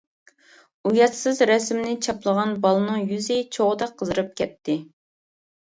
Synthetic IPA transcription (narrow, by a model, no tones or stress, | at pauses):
ujɑt̪sɨzɾɛsmnɪt͡ʃʰɑplˠəʁɑnbɑlˠɨnɨŋjyzɪt͡ʃʰoʁəd̪ɑqʰəzɨɾɨp̚kʲʰɛt̪ʰːɪ